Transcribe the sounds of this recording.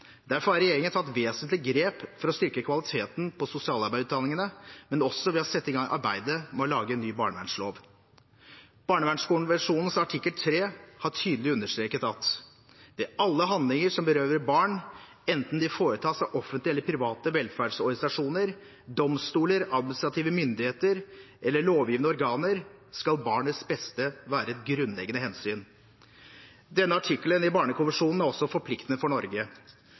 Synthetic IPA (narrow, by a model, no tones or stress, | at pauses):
d̪æɾfɔɾhɑɾɛjeːɾɪŋənt̪ʰɑt̪ːʋeːsənt̪lɪɡɾeːpfɔɾɔst̪ʏɾkəkʰʋɑlɪt̪ʰeːt̪npʰɔsʊsɪɑːlɑɾbæɪʉːt̪d̪ɑnɪŋənəmɛnɔsːɔʋɪhɑsɛt̪ːɪɡɑŋʔɑ̰ɾbæɪd̪əmɛɔlɑːɡəɛnːyːbɑːɳəʋæ̰ɳʂlo̰ːʋ | b̥ɑːɳəʋæɳʂkuːn̩ʋæʂuːnən̩sɑʈʰɪkːəlt̪ʰɾeːhɑʈʰyːd̪lɪʉnːəʂt̪ɾeːkət̪ɑt̪ | d̪ɛɑlːəɦɑnd̪lɪŋəʂɔmbəɾøːʋəɾbɑːɳ | ɛnt̪n̩d̪ɪfoːɾət̪ʰɑːsɑʔɔfənt̪lɪɛlːəɾpʰɾɪʋɑːt̪əʋɛlfæɖʂɔɾɡɪsɑʂuːnəɾ | d̪ɔmst̪uːləɾɑd̪̚mɪnɪst̪ɾɑt̪ʰiːʋəmʏnd̪ɪheːt̪əɾʔɛlːəɭoːʋjiːʋnəɔɾɡɑːnəɾskɑlbɑːɳət̪sbɛst̪əʋæːɾəɛt̪ɡɾʉnlɛ̰ɡənəhɛnsyːn | d̪ɛnːəɑʈʰɪkːlənɪbɑːɳəkʰʊʋəʂuːnn̩æɾɔsːɔfɔɾpʰlɪkt̪ənəfɔɳɔɾɡə